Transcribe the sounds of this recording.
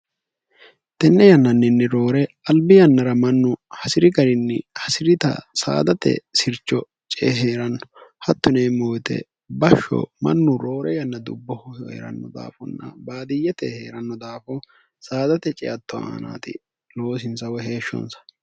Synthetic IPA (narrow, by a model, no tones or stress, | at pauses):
t̪ɛnːɛjɐnːɐnːɪnːɛɾo̞ːɾɛ | ɐlbɪjɐnːɐɾɐmɐnːʊhɐsɪɾɪɡɐɾɪnːɛhɐsɪɾɪt̪ɐ̰sa̰ːd̪ɐt̪ɛ̰sɪɾt͡ʃːɔ | t͡ʃʼeɦeːɾɐnːɔ̥hɐt̪ːʊneːmoːjt̪ɛ̰ | bɐʃːɔ̰mɐ̰nːʊɾoːɾɛjɐnːɐd̪ʊbːɔhʊhḛːɾɐ̰nːɔd̪a̰ːfɔnːɐ̰baːd̪ɪjːɛt̪ɛhḛːɾɐnːɔd̪aːfɔ | saːd̪ɐt̪ɛt͡ʃʼɛ̰jɐt̪ːɔa̰ːna̰ːt̪ɪ | lo̞ːs̬ɪnsɐwɛɦe̞ːʃːɔ̰nsɐ̥